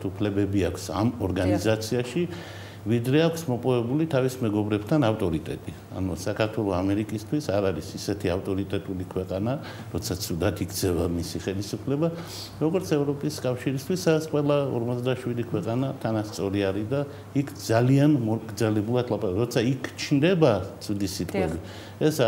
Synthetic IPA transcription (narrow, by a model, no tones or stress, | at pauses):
t̪ʰupʰlɛbɛbiakʷʰsamɔɾɡanizat̪sʰiaʃi | vid̪ɾɛakʰsmɔpʼɔvɛbulit̪ʰavismɛɡɔbɾɛbt̪ʰanaft̪ʼɔɾit̪ʼɛ̰t̪ʼi | a̰nusakʰaɾt̪ʰwɛlˠɔamɛɾikʼist̪ʰwisaɾaɾisisɛt̪ʰiaft̪ʼɔɾit̪ʼɛt̪ʼulikʰwɛqʼana | ɾɔt̪sʰat̪sʰud̪at̪ʰiɡ̪sʰɛvamisiχɛlisupʰlɛba | ɾɔɡɔɾt̪sʰɛvɾɔpʼiskʼafʃiɾist̪ʰwisasqʼwɛlˠaɔ̰ɾmɔt̪sd̪aʃwid̪ikʰwɛqʼanat̪ʰanast̪sʼɔɾiaɾid̪a | ikʰd̪zalianmɔɡd̪zalɛbulˠad̪ʰlˠapʼaɾaɾɔt̪sʰaikʰt͡ʃʰnd̪ɛbat̪sʰud̪isit̪ʼɛbi | ɛs